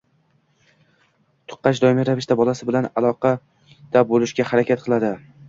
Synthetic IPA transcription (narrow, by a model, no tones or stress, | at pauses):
t̪ʰʊ̥qːɑt͡ʃd̪ɒɪmiɾavɪʃt̪abɒlˠasɪbɪlanalˠɒqʰɑ | d̪̥abolɪʃɡʲahaɾakʲʰat̪̚qʰɨlˠad̪ɪ